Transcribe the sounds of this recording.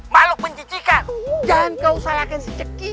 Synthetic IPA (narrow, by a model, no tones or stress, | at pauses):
malʊk̚məɲt͡ʃit͡ʃikand͡ʒankausajakansət͡ʃəki